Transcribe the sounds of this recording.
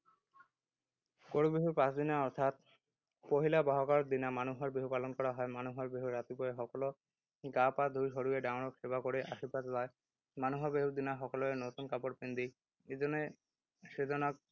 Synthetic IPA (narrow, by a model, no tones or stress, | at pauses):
koɽubiɦuɾpãt͡ɕd̪inaɔɾt̪ʰat̪̚ | poɦilabaɦokaɾd̪inamanuɦɔɾbeɦupalonkɔɾaɦɔemanuɦaɾbiɦuɾat̪ipɔeɦɔkolo | ɡapad̪ʱujɦoɽueɖaʊnokʃebakoɽeʔaʃipat̪lae | manuɦɔbeɦud̪inaɦɔkoloenot̪unkapoɾpind̪i | ed͡ʑone | ʃed̪ʱonak̚